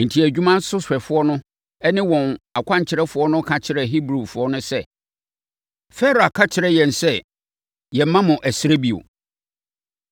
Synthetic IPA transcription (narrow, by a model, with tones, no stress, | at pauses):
n̩˨tʰi˨æ˨d͡ʑᶣu˦mã˦n̩˦sʊ˦sɛ˨fʊ˦ɔ˦nʊ̃˦ | ɛ˦nɪ̃˦wɔ̃˨na˨kʷʰã˦ɲ˨t͡ɕʰɪ˨ɾɛ˦fʊ˨˦ɔ˦nʊ̃˦kʰã˨t͡ɕʰɪ˦ɾɛ˨ɦi˦bɾu˨fʊ˨˦ɔ˦nʊ̃˦sɛ˦ | fɛ˦ɾo˨a˨kʰa˦t͡ɕʰɪ˨ɾɛ˦jɛ̃˨n˨sɛ˦ | jɛ˨˦mã˦mʊ̃˨ʔæ˨sɪ˦ɾe˦bi˨o̰˨